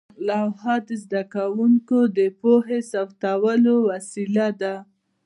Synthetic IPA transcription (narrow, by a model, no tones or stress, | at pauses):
lawhɑd̪əzd̪akawuŋkod̪əpoɦesawt̪awəlowasilad̪a